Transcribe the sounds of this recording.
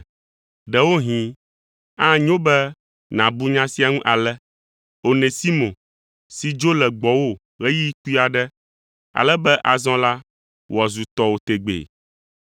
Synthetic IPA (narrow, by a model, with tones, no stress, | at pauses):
ɖɛ˨wo˦ɦĩ˨ | ã˦ɲõ˦bɛ˦ | nã˨bu˦ɲã˦si˦a˦ŋũ˦ʔa˨lɛ˦ | o˨nẽ˨si˦mõ˨ | si˨d͡ʒo˦lɛ˨ɡ͡bɔ˨wo˦ | ɣɛ˦ji˦ku˦i˦a˨ɖɛ˦ | a̰˨lɛ˦bɛ˦ʔa˨zɔ̃˦la˦ | wɔ˨zu˨t̪ɔ˦wo˦t̪e˨ɡ͡bḛ˨